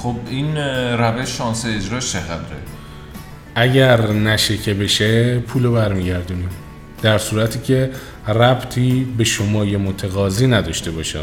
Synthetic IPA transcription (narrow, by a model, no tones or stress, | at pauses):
χobinɾæveʃːɒːnseːd͡ʒɾɒːʃt͡ʃʰeɣæd̪ɾḛ | ʔæɟæɾnæʃecʰebe̞ʃepʰuːlobæɾmiːɟæɾd̪unim | d̪̥æɾsuːɾæt̪ʰiːcʰe̞ | ræbt̪ʰiːbe̞ʃomɒːjemot̪ʰeɣɒːziːnæd̪ɒːʃt̪e̞bɒːʃæ̰